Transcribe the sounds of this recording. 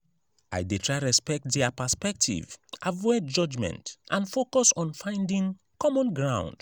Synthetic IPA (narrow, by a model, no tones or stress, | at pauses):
a̰jditʰɹaɪɹɛspɛk̚tdɛapəspɛk̚tʰḭvʔavɔjd͡ʒɔd͡ʒmɛ̰̃ntʔãnfokɔsɔ̃nfãɪ̃ndĩŋ | kɔmɔ̃nɡɹãʊ̃nd̥